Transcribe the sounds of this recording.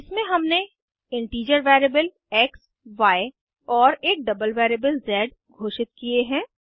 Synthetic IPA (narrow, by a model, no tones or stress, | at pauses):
ɪsmẽɦɐmne | ɪ̃ɳʈiːd͡ʒəɾʋɛːɾebəl | ɛːks | ʋaːe | ɔːɾeːk̚ɖɐbəlʋɛːɾeːbəlzɛːɖ | ɡʱoːʃɪt̪̚kieɦɛ̃ː